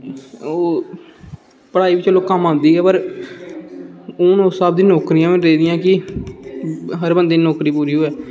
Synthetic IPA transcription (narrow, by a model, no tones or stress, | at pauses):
oː | pəɽaːiːʋɪt͡ʃəloːkəmãːnd̪iːɛːpəɾ | ʊːnoːsaːb̚d̪ĩːnoːkɾijãːʋɾeːd̪ɪjãːkɪ | ɦəɾbənd̪ẽːnoːkɾiːpuːɾiːɦoːɛː